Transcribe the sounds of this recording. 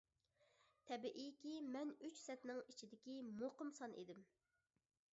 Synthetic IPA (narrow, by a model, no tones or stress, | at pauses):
t̪ʰɛbiʔijkʲimɛnyt͡ʃsɛt̪nɪŋit͡ʃʰid̪ɪkʲimoqəmsɑnʔḛd̪ɪm